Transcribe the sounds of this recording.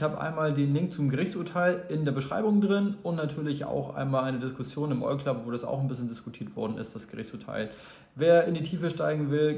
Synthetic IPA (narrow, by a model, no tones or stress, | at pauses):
haːbəʔa̰ɪnmaːldeːnlɪŋkt͡sumɡəʁɪçt͡suɐtʰaɪlɪndeːɐbəʃʁ̥a̰ɪbʊŋdʁɪnʊntnatʰyːɐlɪça̰ʊxʔa̰ɪnmaːlʔaɪnədɪskʊsjoːnɪmʔɔ̰lkʰlapvoːdasa̰ʊxnbɪsçəndɪskʊtʰiːɐtv̥ɔɐdn̩ɪ̰st̚d̥asɡ̥əʁɪçt͡suːɐtʰa̰ɪl | veːɐɪndiːtʰiːfəʃtaɪɡŋ̩vɪl